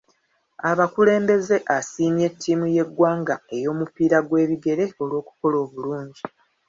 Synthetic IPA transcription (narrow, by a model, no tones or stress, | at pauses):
aβakule̞ːmbe̞ze̞ʔasiːmje̞tʰːiːmuje̞ɡːwaːŋɡae̞jo̞ːmupiːɾaɡwe̞ːβiɡe̞ɾe̞o̞lwo̞ːku̥ko̞lo̞ːβuluːɲɟi